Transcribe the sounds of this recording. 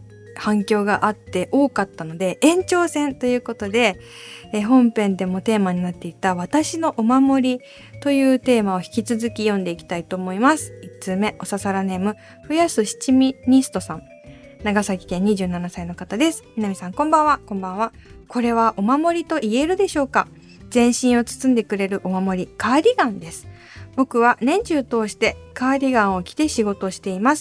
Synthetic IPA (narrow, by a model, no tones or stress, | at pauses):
hãŋkʲo̞ːɡaʔat̪ːe̞ʔo̞ːkat̪ːano̞d̪e̞ẽ̞ɲ̟t͡ɕo̞ːsẽ̞nt̪o̞jɯ̟ːko̞t̪o̞d̪e̞ | ɦõ̞mpẽ̞nd̪e̞mo̞t̪e̞ːmaɲ̟inat̪ːe̞it̪aβ̞at̪aɕino̞ʔomamo̞ɾʲi | t̪o̞jɯ̟ːt̪e̞ːmao̞çi̥kʲit͡sɨzɨkʲijõ̞nd̪e̞ikʲi̥t̪ait̪o̞ːmo̞imasɨ̥it͡sɨme̞ʔo̞sasaɾane̞ːmɯ̟ | ɸɯ̟jasɨɕi̥t͡ɕimʲiɲ̟isɨ̥t̪o̞sãŋ | naɡasakʲi̥kẽ̞ɲ̟ːiʑɨːnanasaino̞kat̪ad̪e̞sɨ̥mʲinamʲisãŋkõ̞mbãɰ̃βakõ̞mbãβa | kʰo̞ɾe̞βaʔo̞mamo̞ɾʲit̪o̞ʔie̞ɾɯ̟d̪e̞ɕo̞ːka | zẽ̞ɰ̃ɕĩɰ̃o̞t͡sɨ̥t͡sɨ̃nd̪e̞kɯ̟ɾe̞ɾɯ̟ʔo̞mamo̞ɾʲikaːɾʲiɡãnd̪e̞sɨ̥ | bo̞kɯ̟βanẽ̞ɲ̟t͡ɕɨːt̪o̞ːɕi̥t̪e̞kaːɾʲiɡãɰ̃o̞kʲi̥t̪e̞ɕiɡo̞t̪o̞ɕi̥t̪e̞imasɨ̥